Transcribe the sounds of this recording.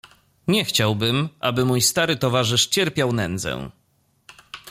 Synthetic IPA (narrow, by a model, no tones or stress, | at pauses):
ɲɛxt͡ɕawbɘmʔabɘmujst̪aɾɘt̪ɔvaʐɘʂt͡ɕɛɾpʲjawnɛnd̪zɛ̰̃